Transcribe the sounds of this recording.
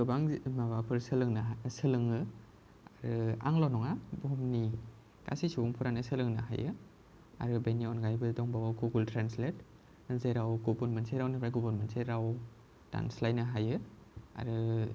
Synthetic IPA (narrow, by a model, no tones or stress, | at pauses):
ɯbaŋmabapʰɯɾsɯlɯŋnasɯlɯŋɯ | aɾɯa̰ŋlanɔŋabɔmni | ka̰sisuɡuŋpʰuɾanɯsɯlɯŋna̰ɦa̰jɯ̰ | a̰ɾɯbeniɔnɡajbɯdɔŋbawawɡuɡultɾanslet̚ | zeɾawɡɔbuɾmentseɾawnɯbɾaɡɔbɐɾmentseɾaw | ta̰nslajnɯɦajɯa̰ɾɯ